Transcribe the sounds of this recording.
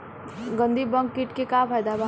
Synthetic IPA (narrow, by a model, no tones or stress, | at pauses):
ɡə̃nd̪ʱibə̃ŋkːɪʈkekapʰajd̪aba